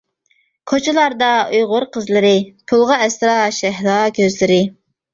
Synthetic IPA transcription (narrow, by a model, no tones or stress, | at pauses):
kʰot͡ʃʰɪlˠɑɾd̪ɑujʁʊɾqʰəzlˠɨɾɪpʰulˠʁɑɛsɾɑʃɛɦlɑːkʲʰøzlɪɾɪ